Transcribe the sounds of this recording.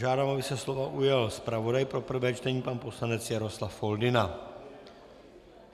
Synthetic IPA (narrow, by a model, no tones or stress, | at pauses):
ʒaːdaːmabɪsɛslovaʔujalspɾavodajpɾopr̩vɛːt͡ʃt̪ɛɲiːpaːnposlanɛt͡sjaɾoslafːold̪ɪna